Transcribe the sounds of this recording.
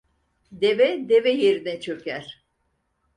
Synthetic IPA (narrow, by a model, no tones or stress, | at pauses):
d̪evɛd̪evɛjeɾinɛt͡ʃʰøcæɾ̥